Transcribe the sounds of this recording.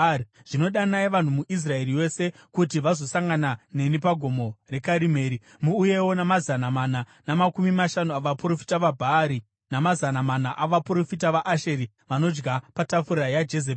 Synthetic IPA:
ʐ̥ino̞ɗanaiʋan̤umuʔis̬rae̞riwe̞se̞ | kutiʋazo̞saŋɡanane̞nipaɡʱo̞mo̞re̞kaɾimeːɾi | muːje̞wo̞namazanamana | namakumimaʃanuaʋapuro̞fi̥taʋabʱaːɾi | namazanamanaʔaʋapuɾo̞fitaʋaʔaʃe̞ɾi | ʋano̞d͡ʒɡapatafuɾajad͡ʒe̞z̬eː

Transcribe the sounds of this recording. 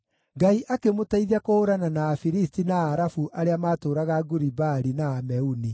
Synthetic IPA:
ɡaiʔakemotaiðakoːɾananaːfiɾistinaːɾafuʔaɾeamaːtoːɾaɣaɡuɾibaɾinaːmɛuni

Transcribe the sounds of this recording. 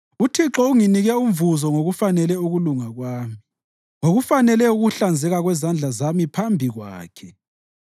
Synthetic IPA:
utʰiǁɔuŋiniɣɛuɱvuzɔŋoɣufanɛlɛuɣuluŋaɣwaːmi | ŋoɣufanɛlɛuɣuɬand͡zʱɛɣaɣwɛzand͡ɮʱazamipʰambʱiɣwa̰ːkʰɛ

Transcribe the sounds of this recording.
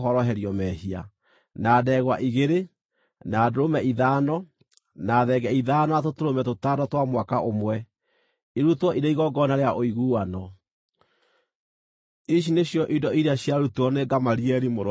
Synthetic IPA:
ɦɔɾɔɦɛɾiɔmɛɦia̰ | naːdɛɣwaʔiɣeɾe | naːdoɾomɛʔiðaːnɔ | naðɛɡɛiðaːnɔatotoɾomɛtotaːdɔtwamwakaʔomwɛ | iɾutwɔʔiɾeiɣɔɡɔnaɾeaʔoiɣuːwanɔ | iʃ̬ineɕjɔʔidɔiɾeaɕjaɾutuɔneɡamaɾiɛɾimoɾ

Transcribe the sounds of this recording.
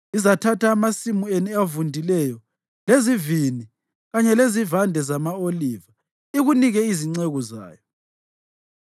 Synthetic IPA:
izatʰataːmasimueniavundʱilɛjɔ | lezivini | ɣaɲɛlezivandʱɛzamaoliva | iɣuniɣɛiziŋ͡ǀɛɣɔza̰ːjɔ

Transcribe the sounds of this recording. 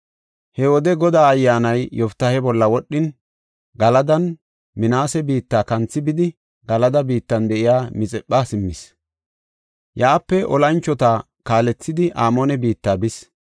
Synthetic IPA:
hɛwɔd̪ɛɡɔd̪aːɐjːaːnɐjjɔft̪ːɐhɛbɔlːɐwɔɗːɪn | ɡɐlɐd̪ɐn | mɪnaːsɛbiːt̪ːaːkɐnt͡sːɪbɪd̪ɪ | ɡ̥ɐlɐd̪ɐbiːt̪ːɐnd̪ɛʔɪjaːmɪt͡sʼɛpːaːsɪmːɪs | jaːpːɛʔɔlɐnt͡ʃːɔt̪aː | kaːlɛt͡sːɪd̪ɪʔaːmoːnɛbiːt̪ːaːbɪs

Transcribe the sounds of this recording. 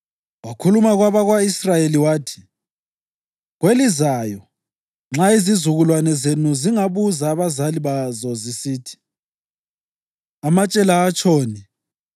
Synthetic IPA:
wakʰulumaɣwaβaɣwaisrajeliwaːtʰi̥ | ɣwelizaːjɔ | ŋ͡ǁaizizuɣulwanɛzenuziŋaβuzaːβazaliβazɔzisiːtʰi̥ | amat͡ʃʼɛlaːt͡ʃʰʼoːni

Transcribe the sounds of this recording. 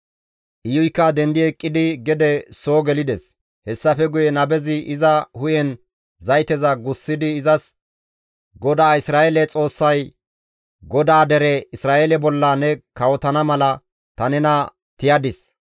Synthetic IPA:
ʔɪjʊjkːaːd̪ɛnd̪ɪɛkʼːɪd̪ɪɡɛd̪ɛsoːɡɛlɪd̪ɛs | hɛsːɐfɛɡʊjɛnɐbɛzɪʔɪzɐhʊjɛn | zɐjt̪ɛzɐɡʊsːɪd̪ɪːzɐs | ɡɔd̪aːɪsɾaːʔɛlɛt͡sʼo̞ːsːɐj | ɡɔd̪aːd̪ɛɾɛɪsɾaːʔɛlɛbɔlːɐnɛkɐwɔt̪ɐnɐmɐlɐ | t̪ɐnɛnɐ | t̪ɪjɐd̪ɪs

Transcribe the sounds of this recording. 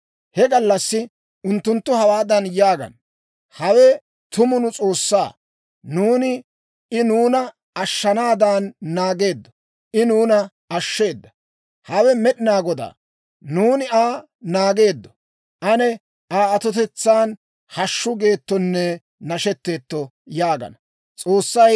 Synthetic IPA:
hɛɡɐlːɐsːɪ | ʊnt̪ːʊnt̪ːʊhɐwaːd̪ɐnjaːɡɐ̰n | hɐwɛ | t̪ʊmʊnʊt͡sʼo̞ːsːa̰ː | nuːnɪ | ɪnuːnɐ | ɐʃːɐnaːd̪aːnːaːɡe̞ːd̪ːɔ̥ | ʔɪnuːnɐ | ɐʃːe̞ːd̪ːɐ | hɐwɛmɛɗɪnaːɡɔd̪a̰ː | nuːnɪaː | naːɡe̞ːd̪ːɔ̥ | ʔɐnɛ | ʔaːɐt̪ɔt̪̬ɛt͡sːaːn | hɐʃːʊɡe̞ːt̪ːɔnːɛ | nɐʃɛt̪ːe̞ːt̪ːɔ | jaːɡɐ̰nɐ | t͡sʼo̞ːsːɐj

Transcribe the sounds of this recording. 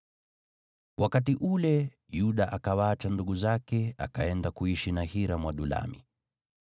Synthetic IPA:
wʔakat̬iʔulɛ | juɗaʔakawaːt͡ʃanduɠuzakɛa̰kaɛndakuiʃinahiɾamwaɗula̰mḭ

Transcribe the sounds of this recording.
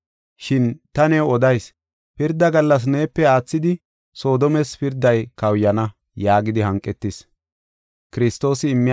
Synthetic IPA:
ʃɪnt̪ɐnɛwɔd̪ɐjs | pɪɾd̪ːɐɡɐlːɐs̬neːpːɛaːt͡sːɪd̪ɪ | so̞ːd̪ɔmɛspɪɾd̪ːɐjkɐwjːɐnɐ | jaːɡɪd̪ɪɦɐŋkʼːɛt̪ːɪs | kɪɾɪst̪ːo̞ːsɪːmːɪ

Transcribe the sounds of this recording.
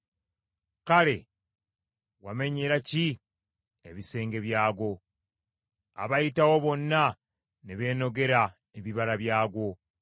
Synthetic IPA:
kale̞ | wame̞ɲeɾaci | eβise̞ːŋɡe̞βjaːɡo̞ | a̰βajitawo̞βo̞nːa | neβe̞ːno̞ɡe̞ɾa | eβiβaɾaβjaːɡo̞

